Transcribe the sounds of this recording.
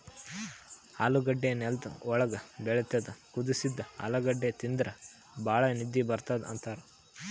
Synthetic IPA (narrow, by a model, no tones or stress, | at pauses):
ha̰ːluɡɐɖːenɛlt̪ɐɔɭɐɡɐbɛɭɐt̪ed̪ɐkud̪isid̪ːɐɐ̰lɐɡɐɖːet̪ind̪ɾɐ | bʱaːɭɐnid̪ːibɐɾt̪aːd̪ɐ̰nt̪aːɾɐ